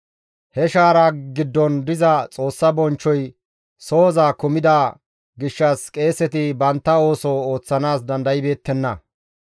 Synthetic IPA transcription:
hɛʃaːɾaɡɪd̪ːɔnd̪ɪzɐt͡sʼo̞ːsːɐbɔnt͡ʃːɔj | so̞ːzaːkʊmɪd̪a | ɡɪʃːɐskʼe̞ːsɛt̪ɪbɐnt̪ːɐo̞ːsɔoːt͡sːɐnaːsd̪ɐnd̪ɐjɪbe̞ːt̪ːɛnːɐ

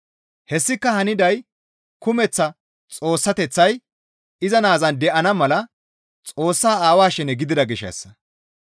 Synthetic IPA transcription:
hɛsːɪkːɐhɐnɪd̪ɐj | kʊmɛt͡sːɐ | t͡sʼo̞ːsːɐt̪ɛt͡sːɐj | ɪzɐnaːzɐnd̪ɛʔɐnɐmɐlɐ | t͡sʼoːsːaːaːwaːʃɛnɛɡɪd̪ɪd̪ɐɡɪʃɛ̰sːɐ̥

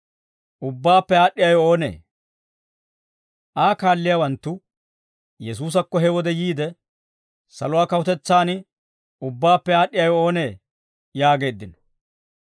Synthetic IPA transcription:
ʔʊbːaːpːɛaːɗːɪjɐjɔo̞ːnḛː | ʔaːkaːlːɪjawɐnt̪ːʊ | jɛsuːs̬ɐkːɔɦɛwɔd̪ɛjiːd̪ɛ | sɐlʊwaːkɐwʊt̪ɛt͡sːaːnɪ | ʊbːaːpːɛaːɗːɪjɐjɔoːne̞ː | jaːɡe̞ːd̪ːɪnɔ̥

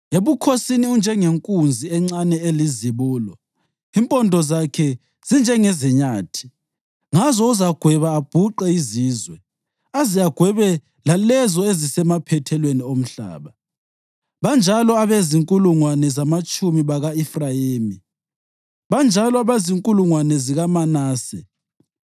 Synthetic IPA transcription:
eβukʰosiniund͡ʒʱɛŋeŋkʼund͡zʱiɛŋ͡ǀanɛeliziβuːlɔ | impʼɔndʱɔzakʰɛ | z̥ind͡ʒʱɛŋɛzɛɲaːtʰi̥ | ŋazɔuzaɡ̥ʱwɛβaːb̥ʱuǃɛiziːzwɛ | azijaɡ̥ʱwɛβɛ | lalɛzɔezisɛmapʰɛtʰɛlweniom̩ɬa̰ːβa | βand͡ʒʱalɔaβeziŋkʼuluŋwanɛzamat͡ʃʼumiβaɣaifrajeːmi | βand͡ʒʱalɔaβeziŋkʼuluŋwanɛziɣamanaːsɛ̰

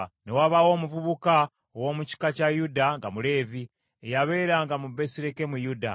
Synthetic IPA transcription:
newaβawo̞ːmuvuβuka | owo̞ːmuci̥kacajudaŋɡamule̞ːvi | ejaβe̞ːɾaŋɡamube̞siɾeke̞mujuda̰

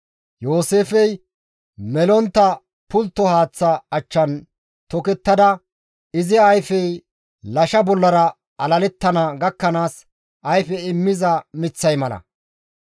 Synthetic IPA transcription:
jo̞ːseːfɛj | mɛlɔnt̪ːɐ | pʊlt̪ːɔhaːt͡sːɐɐt͡ʃːɐn | t̪ɔkɛt̪ːɐd̪ɐ | ɪzɪɐjfɛj | lɐʃɐbɔlːɐɾɐ | ɐlɐlɛt̪ːɐnɐɡɐkːɐnaːs | ʔɐjfɛɪmːɪzɐmɪt͡sːɐjmɐlɐ̰

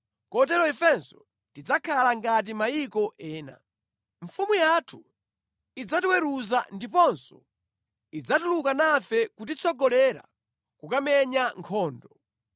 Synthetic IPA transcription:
kɔt̬ɛlɔɛfɛnsɔ | tid͡zakʰalaŋɡat̬imajikɔʔɛːna̰ | ɱfumujatʰu | id͡zatiwɛɾuzandipɔnsɔ̥ | id͡zatulukanafɛkut̬it͡sʰɔɡɔlɛɾa̰ | kukamɛɲaŋkʰɔːndɔ

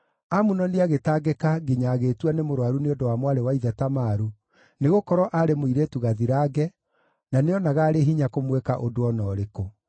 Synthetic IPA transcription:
amunɔneaɣetaːɡekaɡiɲaɣeːtwanemoɾwaɾuneodowamwaɾewaiðɛtamaɾu | neɣokɔɾɔʔaɾemoiɾetuɣaðiɾaːɡɛ | naneɔnaɣaːɾeɦiɲakomwɛkaʔodoɔnɔːɾeko

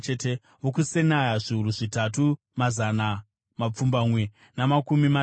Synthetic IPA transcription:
ete | ʋokusenajaʐiuruʐitatu | mazana | map͡fumbamwe̞ | namakumima

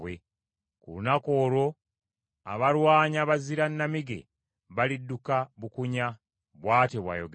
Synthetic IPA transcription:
we | kṵlunako̞ːɾo̞ | a̰βaɾwaːɲaβaziɾanːamiɡe̞̰ | βalidːukaβukuɲa | βwaːteβwa̰jo̞̰ɡ

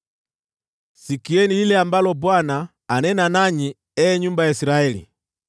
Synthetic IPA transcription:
sikiɛnililɛambalɔbwanaː | nɛnanaɲi | ɛɛɲumbajaisiɾaɛlḭ

